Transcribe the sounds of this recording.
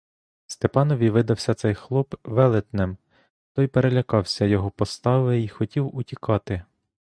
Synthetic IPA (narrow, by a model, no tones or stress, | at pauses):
st̪epɑnɔʋʲiʋɪd̪ɐwsʲɐt̪sɛjxlˠɔbʋɛlˠɪt̪nɪm | t̪ɔjpeɾelʲɐkɑwsʲɐjɔɦɔpɔst̪ɑʋeixɔtʲiwʊtʲikɑt̪ɪ